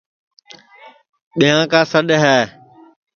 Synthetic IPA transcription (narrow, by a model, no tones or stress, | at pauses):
ɓijãːkãːsəɗɦɛː